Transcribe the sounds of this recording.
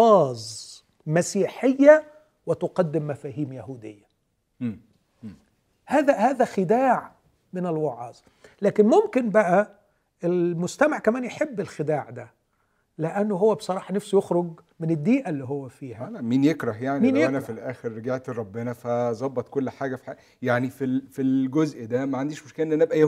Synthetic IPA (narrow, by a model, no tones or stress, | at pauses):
ɑːzˤ | mæsiːħejːæ | wɪt̪ʊqɑd̪ːɪmːæfæːɦiːmjæhuːd̪ejːæː | hæːðæhæːðæxɪd̪aːʕ | mɪnɪlwɑʕɑ̰ːzˤ | læːkɪnmomkɪnbæʔæ | ʔelmʊst̪æmaʕkæmæːnjeħebːɪlxɪd̪aːʕd̪æ | lɪʔænːoɦowːæbe̥sˤɑɾˤɑːħɑnæfsujoxɾoɡmɪnɪd̪ːiːʔælːiɦowːæfiːhælæmiːnjekɾˤɑhjaʕnimiːjænæfilʔæːxeɾːeɡeʕt̪ɾˤɑbːenæfæzˤɑbːɑt̪kolːħaːɡæfi̥ħa | jaʕnifilfilɡozʔd̪æmæʕand̪iːʃmoʃkelːnːʔænæʔebʔæjæ